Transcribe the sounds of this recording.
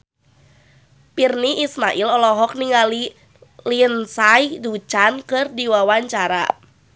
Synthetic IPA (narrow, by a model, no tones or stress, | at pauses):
pirniʔismaʔilɔlɔɦɔk̚niŋali | liənsajdut͡ʃankɨrdiwawaɲt͡ʃaɾa̰